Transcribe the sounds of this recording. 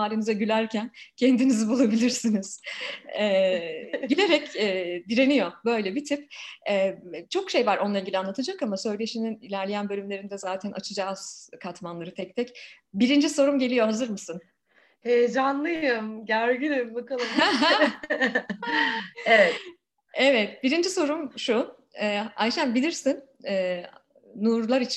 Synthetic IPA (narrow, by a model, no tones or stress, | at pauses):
aːɾinizɛɟylʲæɾcʰæncʰend̪inizibulˠabilʲiɾsiniz̥ɛːɟilʲe̞ɾɛcɛːd̪iɾe̞nijo̞bø̞jlʲɛbit̪ʰipɛːt͡ʃʰo̞kʃe̞jvaɾʔo̞nlˠailʲɟilʲanˠat̪ʰad͡ʒakamasø̞jlʲeʃininilʲæɾlʲe̞jænbø̞lʲymlʲe̞ɾind̪ɛzaːt̪ʰænʔa̰t͡ʃʰɯd͡ʒaːz̥kʰat̪manlˠaɾɯt̪ʰɛc̚t̪ʰɛc | biɾind͡ʒiso̞ɾumɟe̞lʲijo̞hazɯɾmɯsɯn | hejd͡ʒanlˠɯjɯmɟæɾɟinebakalˠaɦ | evɛ | evɛt̪biɾind͡ʒiso̞ɾumʃu | ɛːa̰jʃænbilʲiɾsin | ɛː | nuːɾlˠaɾit͡ʃʰ